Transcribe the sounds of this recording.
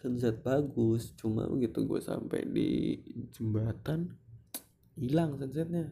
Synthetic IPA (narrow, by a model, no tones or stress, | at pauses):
sənsɛt̪̚baɡʊst͡ʃuma̰bəɡit̪uɡua̰sa̰mpɛ̰jdid͡ʒəmbat̪an | ilaŋsəns̬ɛt̪̚ɲa